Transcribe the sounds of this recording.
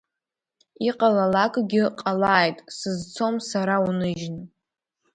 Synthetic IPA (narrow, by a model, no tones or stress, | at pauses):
iqʼalalakʼɡʲɪqʼalaːjtʼsɨzt͡sʰo̞msaɾaunɨʒn